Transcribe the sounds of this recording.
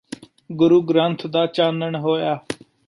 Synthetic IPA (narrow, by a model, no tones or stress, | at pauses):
ɡʊɾuːɡɾãːnt̪ʰd̪aːt͡ʃaːnəɳɦoːjaː